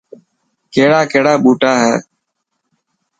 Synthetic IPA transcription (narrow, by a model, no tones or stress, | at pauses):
keːɽaːkeːɽaːɓuːʈaːɦɛː